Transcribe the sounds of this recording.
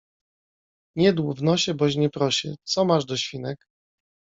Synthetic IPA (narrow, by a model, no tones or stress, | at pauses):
ɲɛd̪wuvnɔɕɛbɔɕɲɛpɾɔɕɛ̰t̪sɔmaʐd̪ɔɕfʲinɛk